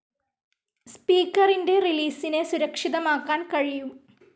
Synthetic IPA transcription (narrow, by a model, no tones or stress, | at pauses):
spiːkːɐrinde̞riliːsine̞suɾɐkʂiðɐmaːkːaːnkɐɻijum